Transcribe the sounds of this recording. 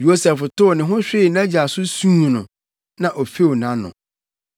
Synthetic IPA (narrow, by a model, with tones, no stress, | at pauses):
jo˦sɛ˨ftʊ˦˨nɪ̃˨ɦʊ̃˦ɕᶣɪ˦˨næ̃˦d͡ʑi˨a˨sʊ˦sũ˦˨nʊ̰̃˨ | nã˨ʔɔ˨fe˦wnã˦nʊ̰̃˨